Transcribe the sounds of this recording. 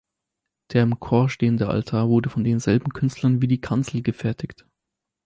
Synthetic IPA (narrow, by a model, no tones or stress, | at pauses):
d̥eːɐɪmkʰoːɐʃteːəndəʔa̰ltʰaːɐvʊɐdəfɔndeːnzɛlbm̩kʰʏnstlɐnviːdiːkʰant͡sl̩ɡəfɛɐtʰɪkt